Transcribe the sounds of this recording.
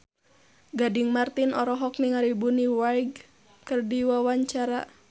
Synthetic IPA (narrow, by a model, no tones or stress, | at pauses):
ɡadiŋmart̪inɔɾɔɦɔk̚niŋaɾibuniwaiɡ | kɨrdiwawaɲt͡ʃaɾa